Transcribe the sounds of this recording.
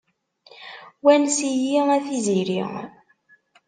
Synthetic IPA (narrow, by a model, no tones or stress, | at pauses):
wænsijiæθiziɾḭ